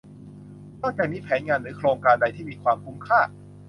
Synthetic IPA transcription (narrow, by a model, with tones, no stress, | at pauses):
t̪ɔː˥˩k̚t͡ɕɛː˨˩miː˧pʰɛː˩˦nŋaː˧nɾɯː˩˦kʰɾoː˧ŋkaː˧nda˧jt̪ʰiː˥˩miː˧kʰwaː˧mkʰu˦˥mkʰaː˥˩